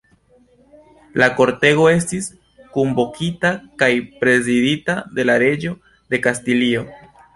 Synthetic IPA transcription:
lako̞ɾte̞ɣo̞e̞s̬tis | kombo̞kʰitakajpɾe̞ziditade̞laɾe̞d͡ʒo̞ | de̞kastilio̞

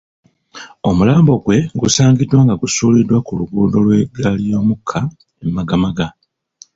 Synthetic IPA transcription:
o̞mulaːmbo̞ɡwe̞ɡusaːŋɡidːwaːŋɡaɡusuːlidwakuluɡuːdo̞lwe̞ɡalijo̞ːmukʰːa | emmaɡamaɡa

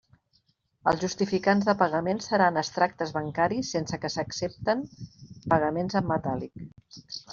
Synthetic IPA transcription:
əlˠzʒust̪ifikanzðəpəɣəmensːəɾanəst̪ɾak̚t̪əzβəŋkaɾisːensəkəsəksep̚t̪əmpəɣ̞əmenzəmːət̪alik

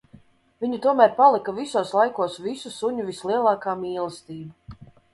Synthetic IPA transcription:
vʲiɲut̪uɔmæːɾpalˠikavisuːslˠajkuɔsvisusuɲuvislˠiɛlˠɑːkaːmiːlˠəst̪iːbu

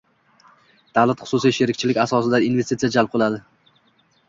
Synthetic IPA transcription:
d̪̥avlat̪χʊ̥sʊsijʃeɾɪk̚ʲt͡ʃʰɪlɪkʲasɒsɪd̪ainve̞st̪it̪sijad͡ʒalp̚qʰɨlˠad̪ɪ

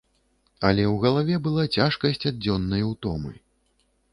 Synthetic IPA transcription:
ɐlʲɛwɣɐlˠavʲɛbɨlˠat͡sʲaʂkɐsʲt͡sʲad̪̚d͡zʲɔnːɐjwt̪ɔmɨ̰

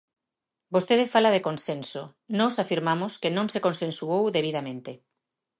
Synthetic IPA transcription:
bost̪eðefalaðekonsẽnso | nɔsafiɾmamoskenõŋsekonsẽnsuowðeβ̞iðamẽnt̪e

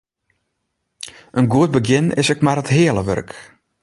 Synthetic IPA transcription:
ʔənɡuət̚bəɡjɪnɪ̰sɛkmarətɦɪəlˠəʋø̰rk

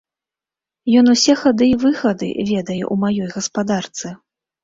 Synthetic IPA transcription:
jɔnusʲɛxad̪ɨːvɨxɐd̪ɨ̰vʲɛd̪ɐjɛ̰ʔumajɔjɣɐspad̪art̪sɨ

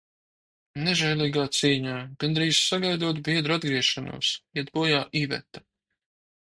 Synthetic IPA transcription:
nɛʒɛjlʲˠiːɡaːt̪siːɲaːɡ̥and̪ɾiːzsaɡajd̪uɔt̪biɛd̪ɾuad̪̚ɡɾiɛʃanṵɔsjɛd̪̚buɔjaːʔiːvɛ̰t̪a

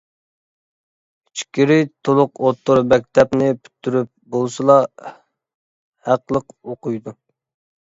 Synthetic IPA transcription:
it͡ʃʰkʲiɾɪt̪ʰolˠʊqot̪ʰːuɾmɛk̚ʲt̪ʰɛpnɪpʰy̥t̪ʰːyɾyp̚bolˠsɨlˠɑ | hæqlˠəqoqʊjd̪u

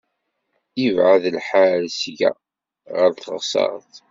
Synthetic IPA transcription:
ivʕaðlħalsʝæ̰ | ʁəɾθəʁsˤɑ̰ɾˤθ

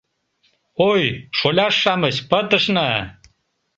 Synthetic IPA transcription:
ojʂolʲaʂːaməɕpət̪əʂna

